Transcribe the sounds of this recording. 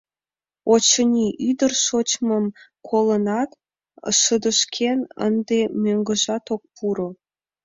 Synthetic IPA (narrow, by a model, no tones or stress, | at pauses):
ot͡ɕənʲiʔyd̪ərʃot͡ɕməmkʰolə̆nɑt̪ | əʃə̆d̪ə̆ʃkʰenə̰nd̪emøŋɡə̆ʒɑt̪ok̚puɾo